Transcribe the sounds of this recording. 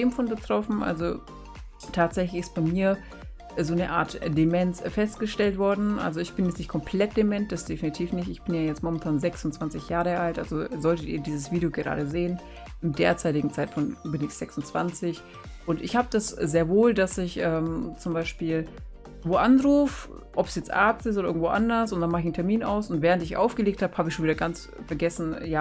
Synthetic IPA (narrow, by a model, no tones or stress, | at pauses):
eːmfɔnbətʁ̥ɔfn̩ʔa̰lzo | tʰaːtz̥ɛçlɪçɪst̚b̥aɪmiːɐ | zoːnəʔa̰ːɐtd̥emɛnsfɛstɡ̥əʃtɛltv̥ɔɐdn̩ʔa̰lzoɪçb̥ɪnjɛt͡snɪçt̚kʰɔmpʰl̥ɛt̚d̥emɛnt̚d̥asd̥efinitʰiːfnɪçtɪçb̥ɪnjaːjɛt͡stmɔmɛntʰaːnzɛksʊntt͡sv̥ant͡sɪçjaːʁəʔaltʔa̰lzozɔltətḭːɐdiːzəsv̥iːdijoɡəʁa̰ːɾəzeːən | ɪmdeːɐt͡saɪtɪɡŋ̩t͡saɪtfɔnbɪnɪçz̥ɛksʊnt͡sv̥a̰nt͡sɪç | ʔʊntɪçhaːbəd̥aszeːɐvoːldasɪçʔɛːmt͡sʊmbaɪʃpiːl | voːʔanʁuːf | ʔɔpsjɛt͡stʔa̰ːtɪs̬toːdɐɪɡŋ̩tvoːʔa̰ndɐsʊntd̥anmaχɪçn̩tʰɛɐmiːna̰ʊsʊntvɛːʁ̞əntɪçʔa̰ʊfɡ̥əleːk̚thaːbəhaːbəɪçʃoːnviːdɐɡant͡s | fɛɐɡɛsn̩jaː